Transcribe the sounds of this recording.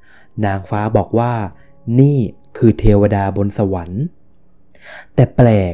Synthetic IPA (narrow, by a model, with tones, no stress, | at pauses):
naː˩˦ŋfaː˦˥bɔː˨˩k̚waː˥˩ | niː˥˩ | kʰɯː˧t̪ʰeː˧wa˧daː˧bo˧nsa˧wa˩˦n | t̪ɛː˨˩plɛː˨˩